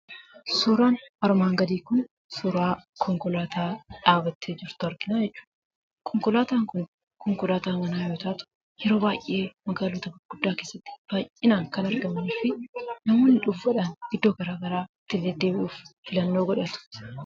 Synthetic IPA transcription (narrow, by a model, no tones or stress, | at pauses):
suːɾaːnɐɾmaːŋɡɐd̪iːkʊn | suːɾaːkʰɔŋkɔlaːt̪ʰaːᶑaːbɐt̪ʰːeːd͡ʒɪɾt̪ʊɐɾɡɪnaːd͡ʒɛt͡ʃːu̥ːᶑ | kʰɔŋkɔlaːt̪aːŋkʊn | kɔŋkɔlaːt̪aːŋɡɐnaːjo̞ːt̪aʔt̪ʊ̥ | jɛɾo̞ːbaːjʔʔe̞ːmɐɡaːluːt̪ɐbɐɡ̥ʊd̪ːaːke̞ːsːɐt̪ːɪ̥b̥aːjʔɪnaːŋkɐnɐɾɡɐmniːfɪnɐmoːnɪᶑʊfɐᶑɐnɪd̪ːo̞ːɡɐɾaːɡɐɾaːt̪ːɪlːɛd̪eːʔuːffɪlɐnːoːɡɔᶑɐt̪ʊ̥